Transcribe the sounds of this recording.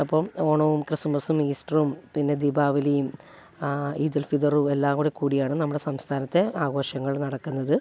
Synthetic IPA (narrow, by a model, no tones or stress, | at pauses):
ɐpːoːmoːɳɐʋumkrɨsumbɐsumiːsʈrumpinːe̞d̪ibaːʋilejum | iːd̪ɐlfid̪ɐruelːaːkuɽekːuːɽijaːɳɨnɐmːuɽe̞sɐmst̪ʰaːnɐt̪ːe̞aːɡo̞ːɕɐŋːɐɭnɐɽɐkːunːɐðɨ